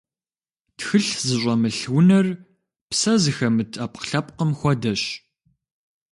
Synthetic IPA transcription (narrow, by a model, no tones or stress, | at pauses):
txɨɬzɨɕʷʼɐmɨɬwʊnɐr | psɐzɨxɐmɨtʰaːp̚qə̥ɬɐp̚qəmxʷɔdɐɕ